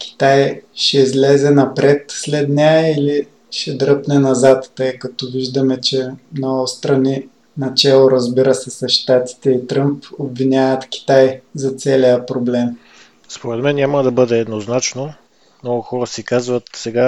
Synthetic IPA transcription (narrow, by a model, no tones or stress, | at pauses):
kʲi̥t̪ajʃɛizlɛzɛnɐpɾɛt̪slɛd̪nʲaɛili | ʃɛd̪ɾɤpnɛnɐzat̪ːɤjkɐt̪ɔviʒd̪ɐmɛt͡ʃɛmnɔɡʊst̪ɾɐni | nɐt͡ʃɛlˠoɾɐzbiɾəsɛsɐsʃt̪at̪i̥t̪ɛit̪ɾɤmpobvinʲavət̪kʲi̥t̪ajzɐt̪sɛlijəpɾoblɛm | spoɾɛt̪mɛnːʲaməd̪ɐbɤd̪ɛːd̪noznat͡ʃno | mnɔɡʊxɔɾəsikazvət̪sɛɡa